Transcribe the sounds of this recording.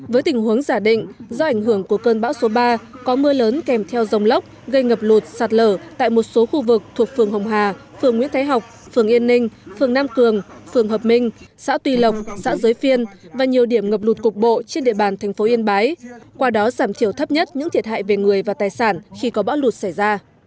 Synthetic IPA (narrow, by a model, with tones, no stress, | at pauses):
vəː˨˦jt̪ï˨˩ŋ̟ɦu˨˦əŋzaː˧˩ɗḭ̈˧˨ŋ̟zɔ˧ʔa˧˩jŋ̟ɦɨ˧˩əŋku˧˩əkəː˧nɓa̰ː˧˥wso˨˦ɓaː˧kɔ˨˦mɨ˧ələː˨˦nkɛ˨˩mt̪ʰɛ˧wzə˨˩wŋ͡mlə˦˥wk͡p̚ | ɣə˧jŋə˨˩p̚lu˨˩t̚saː˨˩t̚ləː˧˩t̪a̰ː˧˨jmo˨˩t̚so˨˦xu˧vɨ˨˩k̚t̪ʰu˨˩ək̚fɨ˨˩əŋɦə˨˩wŋ͡mɦwaː˨˩ | fɨ˨˩əŋːḭ˧˥ənt̪ʰa˨˦jɦa˨˩wk͡p̚ | fɨ˨˩əŋʔi˧ənːï˧ŋ̟fɨ˨˩əŋnaː˧mkɨ˨˩əŋfɨ˨˩əŋɦəː˨˩p̚mi˧ŋ̟sa̰ː˧˥t̪wi˧lə˨˩wk͡p̚sa̰ː˧˥zəː˨˦jfi˧ənvaː˨˩ɲi˨˩əwɗi˧˩əmŋə˨˩p̚lu˨˩t̚kʊ˨˩k͡p̚ɓo̰˧˨t͡ɕe˧nɗḭ˧˨əɓaː˨˩nt̪ʰɛ˨˩ŋ̟fo˨˦ʔi˧ənɓaː˨˦jkwaː˧ɗɔ˨˦zaː˧˩mt̪ʰi˧˩əwt̪ʰə˦˥p̚ɲə˦˥t̚ɲɨ̰˧˥ŋt̪ʰi˨˩ət̚ha̰ː˧˨jve˨˩ŋɨ˨˩əjvaː˨˩t̪aː˨˩jsaː˧˩nxi˧kɔ˨˦ɓa̰ː˧˥wlu˨˩t̚sa˧˩jzaː˧